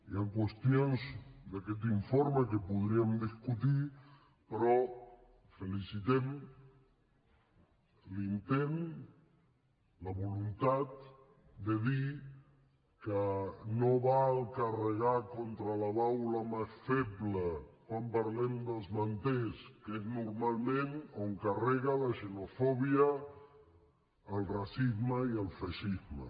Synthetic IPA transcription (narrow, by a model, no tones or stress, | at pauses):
iaŋkwəst̪jonzd̪akɛt̪̬iɱfoɾməkəpuðɾiəmd̪iskut̪i | pɾɔ | felisit̪ɛm | lint̪en | ləβulunt̪at̪̚ | d̪eði | kənoβalˠkərəɣakont̪ɾələβawləmasfɛpləkwampəɾlɛmd̪əlˠzmənt̪eskeznuɾmalˠmẽnoŋkarɛɣələʒənufɔβiə | lˠrasizməiəlˠfaʃizmə̰